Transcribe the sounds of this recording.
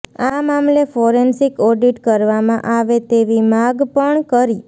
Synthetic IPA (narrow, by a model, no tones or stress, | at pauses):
amamlefɔɾensikɔɖiʈkəɾʋamãʔaʋet̪eʋimaɡpəɳkəɾi